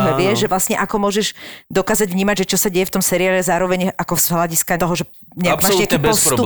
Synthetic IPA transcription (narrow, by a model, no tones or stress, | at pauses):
ɦɛʋɪɛʒɛʋlastɲɛʔakɔmʊɔʒɛʒd̪ɔkaːzaɟʋɲiːmaɟʒɛt͡ʃɔsaɟɛjɛft̪ɔmsɛɾiaːlɛzaːɾɔʋɛɲʔakɔz̥ɦlaɟiskat̪ɔɦɔʒɛ | ɲɛakmaːʒɲɛakipɔst̪u